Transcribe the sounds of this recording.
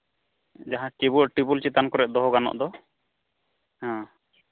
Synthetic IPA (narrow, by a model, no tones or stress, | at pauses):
d͡ʒaɦãkebuɔʔʈibult͡ʃit̪ankɔɾɛʔ̚d̪ɔɦɡanɔ̰ʔd̪ɔ | hã